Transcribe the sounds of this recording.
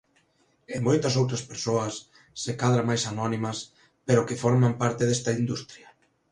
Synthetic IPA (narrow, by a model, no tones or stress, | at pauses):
emojt̪ɐs̬owt̪ɾɐspeɾsoɐsː | ekaðɾamajsanɔnimɐs | peɾʊkɪfɔɾmampaɾt̪eðest̪ɐind̪ust̪ɾjɐ